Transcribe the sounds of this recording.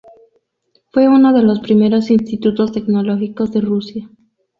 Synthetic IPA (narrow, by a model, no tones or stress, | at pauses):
fwe̞unoð̞e̞lo̞spɾime̞ɾo̞sinst̪it̪ut̪o̞st̪e̞kno̞lo̞xiko̞zðe̞rusja